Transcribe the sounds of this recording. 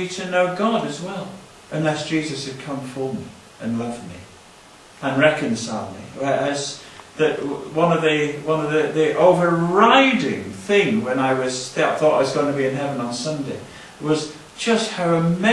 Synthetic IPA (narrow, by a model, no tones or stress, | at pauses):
iɾɨnoʊɡɑɾɨzwɛlˠ | ʔɨ̃nlɛsd̥ʒ̥izɨshɨd̚kʰʌ̃ɱfə˞mḭ | ʔɨ̃nlʌft̚mḭ | ə̃nɹɛkɨ̃nsaɪlˠd̚mḭwə˞ɨz | ðɨʔ̚wʌ̃nʌvðiwʌ̃nʌvðiðiʔoʊvə˞ɹaɪɾɪ̰̃ŋθɪ̃ŋwə̃naɪwʌz̥ðaɪθɔɾa̰ɪwʌzɡoʊɪ̃ŋtʰbiɨ̃nɦɛvə̃nə̃n̩sʌ̃ndeɪ | wʌz̥ | d͡ʒ̥ʌst̚haʊɨmɛ